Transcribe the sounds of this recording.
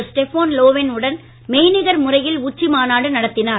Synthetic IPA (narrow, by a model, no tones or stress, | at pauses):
sʈɛfoːnloːʋɛnɯɽɐn | mejɪnɪɣɐɾmʊrɐjɪlʊt͡ʃːimaːnaːɽɯnɐɽɐt̪ːɪnaː